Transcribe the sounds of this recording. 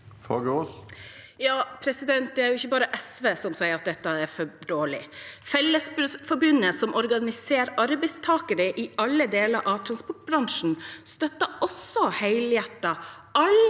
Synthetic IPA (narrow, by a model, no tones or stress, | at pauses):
fɑɡəɔs | jɑːpʰɾɛsɪd̪ɛnt̪̚d̪ɛæɾjʊɪçːəbɑːɾəʔɛsʋeːsɔmsæɪəɾɑt̪̚d̪ɛt̪ːəɛɾfɔɖoːɭɪ̰fɛlːəsbfɔɾbʉnːəsɔmʔɔɾɡɑnɪseːɾɑɾbɛɪst̪ʰɑːkəɾəʔɪɑlːəd̪eːləɾʔɑʋt̪ʰɾɑnspɔʈ̚bɾɑŋʂn̩st̪œt̪ːəʔɔsɔhæɪljæʈːɑ | ʔɑl